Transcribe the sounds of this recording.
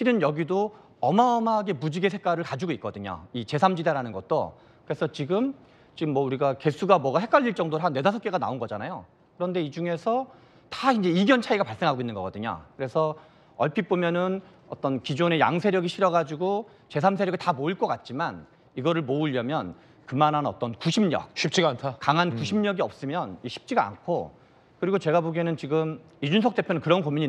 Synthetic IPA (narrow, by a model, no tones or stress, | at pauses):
ɕʰiɾɯnjʌɡido | ʌmaʌmaːɡe̞mud͡ʑiɡesʰe̞k͈aɾɯɭkad͡ʑuɡoit̚k͈ʌdɯɲo̰it͡ɕe̞sʰamd͡ʑidaɾanɯnɡʌ̰t̚t͈o̰ | kɯɾe̞sʰʌt͡ɕiɡɯm | t͡ɕiɡɯmːwʌuɾiɡake̞sʰuɡamwʌɡahe̞k͈ʰaʎːiɭt͡ɕ͈ʌŋdoɾɦanːe̞dasʰʌk͈e̞ɡana̰onɡʌd͡ʑanajo̰ | kɯɾʌnde̞id͡ʑuŋe̞sʰʌ | taind͡ʑe̞iɡjʌnt͡ɕʰaiɡapaɭs͈e̞ŋɦaɡoinːɯnŋɡʌk͈ʌdɯɲo̰kɯɾe̞sʰʌ | ʌɭpʰip͈omjʌnɯn | ʌ̰t͈ʌnkid͡ʑone̞ja̰ŋsʰe̞ɾjʌɡiɕʰiɾjʌɡad͡ʑuɡo | t͡ɕe̞sʰamsʰejʌɡitamoiɭk͈ʌk͈at̚t͡ɕ͈iman | iɡʌɾɯɭmoɯʎjʌmjʌn | kɯmanɦanʌ̰t͈ʌnkuɕʰimɲʌ̰k̚ɕʰip̚t͡ɕ͈iɡantʰakaŋɦankuɕʰimɲʌɡiʌp̚s͈ɯmjʌnɕʰi̥p̚t͡ɕ͈iɡa̰ːnkʰo | kɯɾiɡot͡ɕe̞ɡaboɡenɯnt͡ɕiɡɯm | id͡ʑunsʰʌk̚t͈e̞pʰjonɯnkɯɾʌnkomiɲi